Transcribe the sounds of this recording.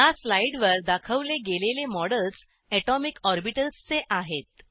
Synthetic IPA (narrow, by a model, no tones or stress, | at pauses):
jaslaiɽʋəɾd̪akʰəʋleɡelelemɔɽəls | ɛʈɔmikɔɾbiʈəlst͡seʔaɦet̪̚